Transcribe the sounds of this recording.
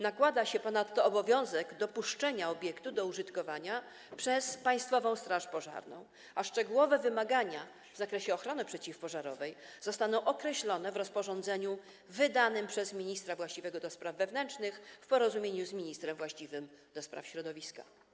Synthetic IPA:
nakwad̪aɕɛpɔnat̪ːɔːbɔvʲjɔ̃w̃zɛɡd̪ɔpuʂt͡ʂɛɲaɔbʲjɛkt̪ud̪ɔuʐɘt̪kɔvaɲa | pʂɛspaj̃st̪fɔvɔ̃w̃st̪ɾaʂpɔʐa̰ɾnɔ̰̃w̃ | aʂt͡ʂɛɡuwɔvɛvɘmaɡaɲa | vzakɾɛɕɛɔxɾɔnɘpʂɛt͡ɕifpɔʐaɾɔvɛjzɔst̪an̪ɔ̃w̃ʔɔkɾɛɕlɔnɛvɾɔspɔʐɔnd̪zɛɲu | vɘd̪anɘmpʂɛzmʲiɲist̪ɾavwaɕt͡ɕivɛɡɔd̪ɔspɾavːɛvnɛnt͡ʂnɘxfpɔɾɔzumʲjeɲuzmʲiɲist̪ɾɛmvwaɕt͡ɕivɘm | d̪ɔspɾa̰fɕɾɔd̪ɔvʲiska̰

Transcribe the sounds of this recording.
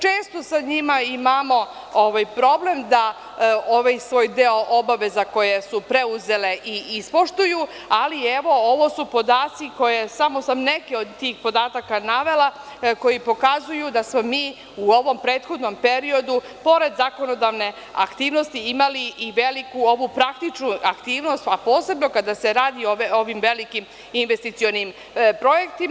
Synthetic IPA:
t͡ʃe̞ːst̪o̞saɲimaimamo̞ | oʋajpɾo̞blemd̪a | oʋajsʋo̞ːjd̪eoʔobaʋe̞zako̞je̞supɾeuze̞le̞ʔiispoʃt̪uju | alieʋo̞o̞ʋo̞supo̞d̪aːt̪siko̞je̞samo̞samne̞keod̪t̪iːxpo̞d̪aːt̪akanaʋe̞la | ko̞jipo̞kazujud̪asmo̞miː | uoʋo̞mpɾe̞ːt̪xo̞d̪no̞mpe̞ɾio̞d̪u | po̞ɾe̞d̪zako̞no̞d̪aʋne̞ | a̰kt̪iːʋno̞st̪iimaliʔːʋelikuo̞ʋupɾak̚t̪it͡ʃnuakt̪iːʋno̞st̪apoːse̞bno̞kad̪ase̞ɾaːd̪ioʋeoʋimʋe̞likim | inʋest̪it̪sio̞nim | pɾo̞jekt̪i

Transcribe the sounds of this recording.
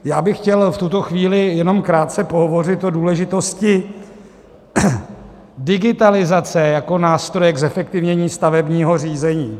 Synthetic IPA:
jaːbɪxcɛlft̪ut̪oxviːlɪjɛno̞mkɾaːt̪̚t͡sɛpoɦovo̞rɪt̪ʔoduːlɛʒɪt̪o̞scɪ | dɪɡɪt̪alɪzat͡sɛjako̞naːst̪ɾo̞jɛɡzɛfɛk̚t̪ɪvɲɛɲiːst̪avɛbɲiːɦo̞r̝iːzɛɲiː

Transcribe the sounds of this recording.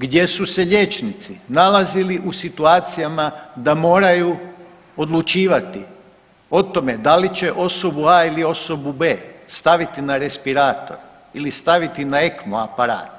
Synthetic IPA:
ɡd̪je̞suse̞ʎʲe̞t͡ʃnit̪sinalaziliʔusit̪uaːt̪sijamad̪amo̞ːɾaju | o̞d̪lut͡ʃiːʋat̪i | o̞t̪o̞me̞d̪alit͡ɕe̞ʔo̞so̞buailio̞so̞bube̞ːst̪aʋit̪inaɾe̞spiɾaːt̪o̞̰ɾ | ilist̪aʋit̪inae̞kmoapaɾa̰ːt̪

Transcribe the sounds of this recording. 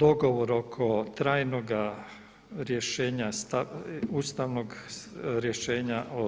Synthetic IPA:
d̪o̞ɡo̞ʋoɾo̞kʰo̞t̪ɾaːjnoɡa | ɾjeʃeːɲast̪auːst̪aʋnoɡɾjeʃeːɲaʔo

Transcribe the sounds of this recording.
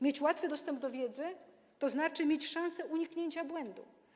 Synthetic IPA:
mʲjet͡ɕwat̪fɘd̪ɔst̪ɛmb̚d̪ɔvʲjɛd̪zɘ | t̪ɔznat͡ʂɘmʲjet͡ɕʂãñsɛʔuɲikɲeɲt͡ɕabwɛnd̪ṵ

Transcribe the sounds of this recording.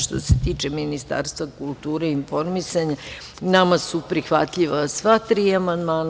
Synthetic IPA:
ʃt̪o̞̰set̪iːt͡ʃeminist̪a̰ːɾst̪ʋakulˠt̪uːɾeinfo̞ɾmisaɲa | namasupɾixʋat̪ʎiʋasʋat̪ɾiːamand̪maːn

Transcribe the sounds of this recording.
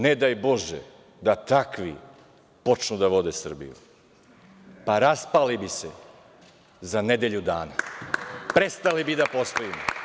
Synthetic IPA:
ned̪ajbo̞ʒḛ | d̪at̪akʋḭ | po̞t͡ʃnud̪aʋo̞d̪esr̩bḭjṵ | paɾaspalibise | zaned̪eʎud̪aːna | pɾest̪alibid̪apo̞st̪oimo

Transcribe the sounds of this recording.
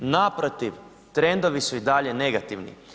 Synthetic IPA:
napɾot̪iʋ | t̪ɾe̞nd̪o̞ʋisuid̪aʎene̞ɡat̪iʋnḭ

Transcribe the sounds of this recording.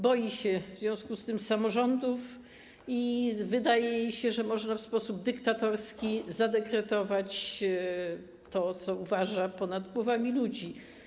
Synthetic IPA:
bɔjiɕɛvzʲjɔ̃w̃skust̪ɘmsamɔʐɔnd̪uf | ivɘd̪ajɛjɕɛʐɛmɔʐnafspɔsub̚d̪ɘkt̪at̪ɔɾskʲizad̪ɛkɾɛt̪ɔvat͡ɕ | t̪ɔt̪sɔuvaʐapɔnad̪ɡwɔvamʲilud͡ʑi

